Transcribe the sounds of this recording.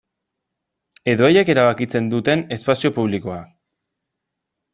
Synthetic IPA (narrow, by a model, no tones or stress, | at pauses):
e̞ðo̞eje̞ke̞ɾaβ̞akit͡se̞nd̪ut̪e̞ne̞spasio̞puβ̞liko̞ak